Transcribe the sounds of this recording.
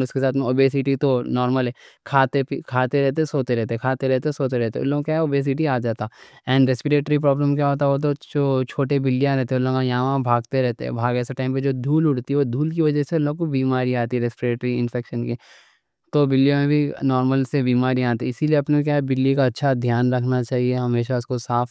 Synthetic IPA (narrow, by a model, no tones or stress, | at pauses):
ʊskesaːt̪ʰmẽoːbeːsɪʈit̪onɔːɾməlɦɛkʰaːt̪epikʰaːt̪eɾɛɦt̪̬esoːt̪eɾɛɦt̪ekʰaːt̪eɾɛɦt̪esoːt̪eɾɛɦt̪ẽʊ̰lːoːɡkjaɦɛoːbeːs̬ɪʈiaːd͡ʒaːt̪a | ɛ̃ːɳɖɾeːspɪɾeːʈɾip̬ɾɔːbləmk̬jaɦoːt̪aʋot̪̬od͡ʒoːt͡ʃʰoːʈebɪlːijãɾɛɦt̪eɛ̃ʊlːõɡkajɐɦãʋãbʱaːɡ̚t̪eɾɛɦt̪eɛ̰bʱaːɡɛːseʈaːɪmped͡ʒoːd̪ʱuːlʊʈt̪iɛʋoːd̪ʱuːlkiʋɐd͡ʒɛseʊlːoːɡkobiːmaːɾiaːt̪iɛɾɛːspɪɾeːʈɾiɪ̃nfʰɛːkʃənki | t̪obɪlːijãmẽbʱinɔːɾməlsebiːmaːɾiaːt̪iiɪsilieɐpnẽk̬jaːbɪlːikaɐtːʃʰad̪ʱjaːnɾɐkʰnat͡ʃaːɦieɦɐmeːʃaʊskosaːf